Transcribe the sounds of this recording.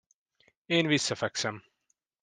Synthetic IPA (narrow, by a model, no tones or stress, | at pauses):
eːnʋisːæfæksæm